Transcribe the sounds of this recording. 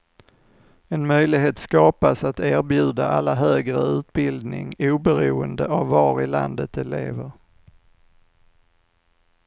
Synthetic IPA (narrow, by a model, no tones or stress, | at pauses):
ɛnmœjlɪɡɦeːt̪skɑːpasat̪æːɾbjʉ̟ːd̪aʔalːaɦøːɡɾəʉ̟ːt̪̚bɪld̪nɪ̰ŋuːbɛɾuːənd̪əʔavːɑːɾɪla̰nd̪ət̪ɛlḛːvəɾ